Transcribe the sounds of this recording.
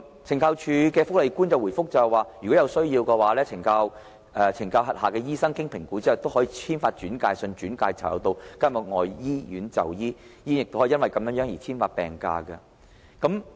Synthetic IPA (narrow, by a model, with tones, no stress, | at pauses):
t͡sʰɪ˨˩ŋkʰaː˧wt͡ʃʰyː˨˧kɛː˧fʊ˥k̚le˨˩jkuː˥nt͡sɐ˨wu˨˩jfʊ˥k̚t͡sɐ˨ɛ˨waː˨˩jyː˨˩kɔ˨˥jɐ˨˧wsɵ˥ɥjiː˧wkɛː˧waː˨˥lɛː˥t͡sʰɪ˨˩ŋkaː˧w | ʔɛ˨˧t͡sʰɪ˨˩ŋkaː˧wɦɐ˨t̚haː˨kɛː˧jiː˥sɐ˥ŋkɪ˥ŋpʰɪ˨˩ŋku˨˥t͡si˥ɐ˨wt̪o˥whɔː˨˥jiː˧t͡sʰiː˥nfaː˧t̚t͡ʃyː˨˥nkaː˧jsɵ˧nt͡ʃyː˨˥nkaː˧jt͡sʰa̰˨˩jɐ̰˨˧wt̪o˧wkaː˥mʊ˨˩ŋɔː˨jjiː˥jyː˨˥nt͡sɐ̰˨˩wjiː˥jiː˥njɪ˨k̚t̪whɔ˨˥˨ɐ˥wɐ˨jkɐ˧mjœː˨˥ŋjœː˨˥ŋjiː˨˩t͡sʰiː˥nfaː˧t̚pɛ̰ː˨˩ŋka̰ː˧kɐ˧ | kɐ˨˦˥m